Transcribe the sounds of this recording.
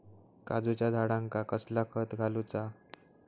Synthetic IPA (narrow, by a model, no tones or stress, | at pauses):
kad͡zut͡ɕjad̪ʱaɽãŋkakəslakʰət̪ɡʱalut͡sa